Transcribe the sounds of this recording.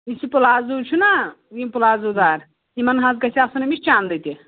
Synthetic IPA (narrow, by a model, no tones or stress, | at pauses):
isipulaːzuːt͡ʃʰuna | ɡimpulaːzuːd̪aːɾ | imɐnɦɐzkɐsʲiasunɐmit͡ʃt͡ʃaːnd̪ɐt̪i